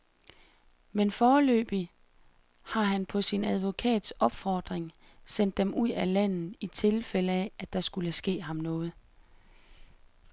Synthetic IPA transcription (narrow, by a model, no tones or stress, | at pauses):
menfɒːlø̰ːb̥i | hɑ̈ɦænpʰɒ̽sinæð̞ˠʋo̝kʰɛ̰ːd̥sɒ̽b̥fɒːd̥ʁeŋ | sen̰d̥ːemʔuð̰ˠælæn̰ð̩ˠit͡sʰe̝lfel̰əææd̥ɑ̈sɡ̥uləsɡ̥e̝̰ːɦɑ̈mnɔ̽ːð̞̩ˠ